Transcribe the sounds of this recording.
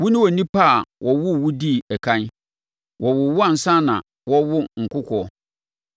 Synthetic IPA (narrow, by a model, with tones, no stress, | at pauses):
wʊ˦nɪ̃˦wɔ˨nĩ˦pʰa˦˨wʔɔ˨wʊ˦˨wʊ˦di˦˨ɛ˨kʰã˦n˦ | wʔɔ˨wʊ˨wʊ˦a˨n̩˨sã˦nã̰˨ | wɔ˦wʊ˦ŋ̩˨kʰʊ˦kʷʰɔ˦˨